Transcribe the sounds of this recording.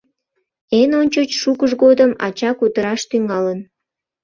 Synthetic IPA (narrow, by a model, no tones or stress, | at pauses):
enonʲt͡ɕot͡ɕʃukəʃɡod̪əmɑ̰t͡ɕɑkut̪əɾɑʃt̪yŋɑlən